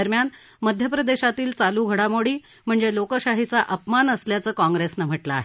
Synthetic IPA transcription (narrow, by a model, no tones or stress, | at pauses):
əɾmjan | məd̪ʱjəpɾəd̪eɕat̪iːlt͡saluːɡʱəɽamoɽiː | m̤əɳd͡zelokəɕaɦit͡saʔəpmanəsljat͡səːkɔ̃ŋɡɾesnəm̤əʈla̰ːɦe